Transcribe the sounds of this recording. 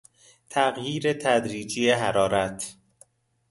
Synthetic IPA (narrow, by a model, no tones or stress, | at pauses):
t̪ʰæɣjiːɾet̪ʰæd̪ɾiːd͡ʒijeɦæɾɒːɾæt̪ʰ